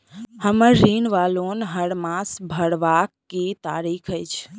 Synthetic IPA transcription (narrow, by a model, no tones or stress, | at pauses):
həməɾːinʋalonɦəɽmasbʱəɽʋakːet̪aɾikʰəjt͡ʃʰ